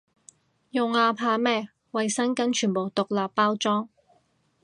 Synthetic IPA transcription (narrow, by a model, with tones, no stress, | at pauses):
jʊ˨ŋaː˧pʰaː˧mɛː˥ | wɐ˨jsɐ˥nkɐ˨˥nt͡ʃʰyː˨˩npo˨˩wt̪ʊ˨k̚laː˨pːaː˥wt͡sɔː˥ŋ